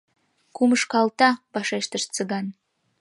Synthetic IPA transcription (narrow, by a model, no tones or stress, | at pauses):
kumɨʃkɑlˠt̪ɑb̥ɑʃɑʃt̪əʃt͡sɨɡɑn